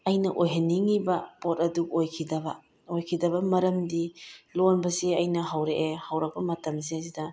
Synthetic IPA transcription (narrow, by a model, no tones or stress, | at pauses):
ɐjnɐʔojɦɐnːiŋibɐpot̚ɐdukojkʰidɐbɐ | ojkʰidɐbɐmɐɾɐmdilonbɐseɐjnɐɦɐwɾeʔehɐwɾɐbɐmɐtɐms̬eɐzidɐ